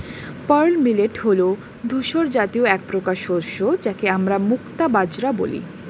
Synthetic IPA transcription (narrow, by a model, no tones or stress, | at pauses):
pəɾlmileʈɦolo | d̪ʱuʃoɾd͡ʑat̪ioɛk̚pɾokaʃoɾʃod͡ʑakeamɾamukt̪abad͡ʑɾabo̰lḭ